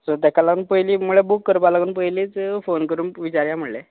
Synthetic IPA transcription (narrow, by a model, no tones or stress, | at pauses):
sot̪ɛkʰalaɡuːnpəjliːmuɭebukːəɾpalaɡuːnpəjliːt͡sfonkəɾuːnʋit͡ɕaɾjam̤əɽle